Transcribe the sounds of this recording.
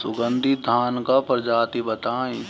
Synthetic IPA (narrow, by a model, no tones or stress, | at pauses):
sʊɡənd̪ʱid̪ʱaːnkapɾd͡ʒaːt̪ibət̪aːĩ